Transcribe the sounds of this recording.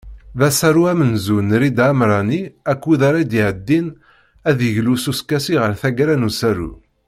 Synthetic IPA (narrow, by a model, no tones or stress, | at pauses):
ðæsæɾuæmənzunɾid̪amɾˤɑniækʷːuðaɾˤad̪iʕəd̪ːin | æðəʝlususkæsiʁəɾθæɡɾænusæɾṵ